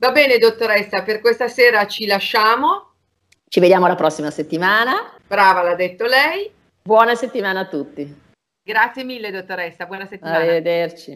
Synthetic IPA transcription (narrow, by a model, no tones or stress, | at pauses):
vabɛːned̪ot̪ːoɾɛsːaperkwest̪aseːɾat͡ʃilaʃːaːmo | t͡ʃived̪jaːmoalapɾɔsːimaset̪ːimaːnab̥ɾaːvalad̪ːet̪ːolɛj | bwɔːnaset̪ːimaːnaːt̪ːut̪ːi | ɡɾat̪sːjemilːed̪ot̪ːoɾɛsːabwɔːnaset̪ːimaaːied̪ert͡ʃi